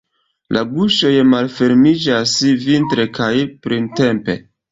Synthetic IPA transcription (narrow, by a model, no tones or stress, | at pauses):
lʔa̰buʃo̞jmalfe̞ɾmid͡ʒasvintɾe̞kajpɾinte̞mpe̞̰